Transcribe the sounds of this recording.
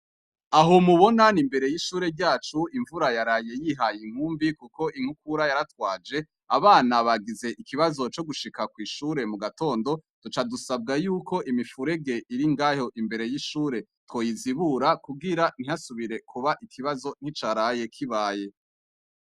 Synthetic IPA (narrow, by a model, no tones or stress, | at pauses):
aɦo̞muβo̞nanimbe̞ɾe̞jiʃuːɾe̞ɾɟaːt͡ʃuiɱvuɾajaɾaje̞jiɦajiŋ̥huːmbikuko̞ʔiŋ̥hukuɾajaɾatwaːd͡ʒe̞ | aβaːnaβaɡize̞ʔikiβazo̞t͡ʃo̞ɡuʃikakwiːʃuːɾe̞muɡato̞ːndo̞tut͡ʃadusab̚ɡajuːko̞ʔimifuɾe̞ɡe̞ʔiɾiŋɡaːjo̞ʔimbe̞ɾe̞jiʃuːɾe̞two̞ːjiziβuɾakubɡiɾan̥iasuβiɾe̞kʰuβaʔikʰiβazo̞n̥hit͡ʃaɾaje̞kʰiβaːje̞